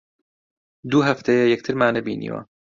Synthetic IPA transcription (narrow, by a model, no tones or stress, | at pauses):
d̪uɦɐft̪ʰejɛjɛk̚t̪ʰɨɾmaːnɐbḭːnḭːwɐ̰